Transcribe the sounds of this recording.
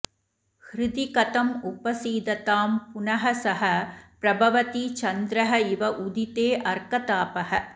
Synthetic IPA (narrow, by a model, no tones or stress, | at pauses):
hɾɪd̪ikɐt̪ɐmʊpɐsiːd̪ɐt̪aːmpʊnɐɦɐsɐɦɐpɾɐbʱɐʋɐt̪it͡ʃɐnd̪ɾɐɦɐɪʋɐʔud̪it̪eːʔɐɾkɐt̪aːpɐhɐ